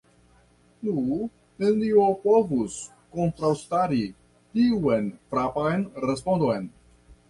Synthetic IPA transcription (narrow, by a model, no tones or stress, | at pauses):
nu | neniopovus | kontɾawstaɾi | tiuenfɾapajnɾespo̞ndo̞jn